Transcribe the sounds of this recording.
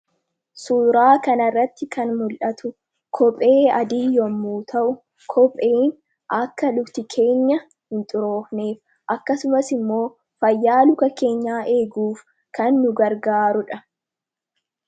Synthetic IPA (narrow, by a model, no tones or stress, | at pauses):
suːɾaːkɐnɐrːɐt̪ːɪkʰɐnmʊlʔɐt̪ʊ | kʰɔpʼe̞ːɐd̪iːjɔmːuːt̪ʰɐʔʊ | kʰɔpʼe̞ːn | ʔɐkːɐlʊbt̪ɪkʰe̞ːɲːɐ | hɪnt̪ʼʊɾo̞ːfne̞ːf | ʔɐkːɐsʊmɐsɪmːo̞ː | fɐjːaːlʊkɐke̞ːɲːaːʔe̞ːɡuːf | kɐnːʊɡɐɾɡaːɾʊᶑɐ